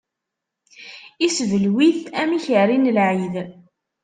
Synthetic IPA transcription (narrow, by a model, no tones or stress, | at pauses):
isvəlwiθæmiçərinəlʕið